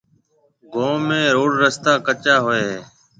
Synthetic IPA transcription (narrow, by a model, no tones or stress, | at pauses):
ɡʱoːmẽːɾoːɽɾəst̪aːkət͡ʃaːɦoːeːɦeː